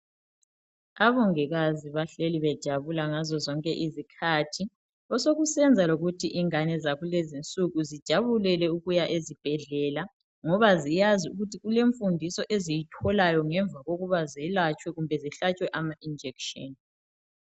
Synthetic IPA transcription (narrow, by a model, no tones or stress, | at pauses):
aβɔŋɛɣaziβaɬeliβɛd̥ʒ̥ʱaβulaŋazɔzɔŋkʼɛʔizikʰatʰi | ɔsoɣusɛnd͡zʱaloɣutʰiʔiŋanɛzaɣulezint͡sʼuɣuzid̥ʒ̥ʱaβulɛlɛuɣujaʔezib̥ʱɛɮɛla | ŋɔβazijaziuɣutʰiɣuleɱfundʱisɔʔezijitʰɔlajɔŋɛɱvaɣoɣuβazɛlat͡ʃʼwɛɣumbʱɛziɬat͡ʃʼwɛʔamaʔind͡ʒʱɛkʃɔni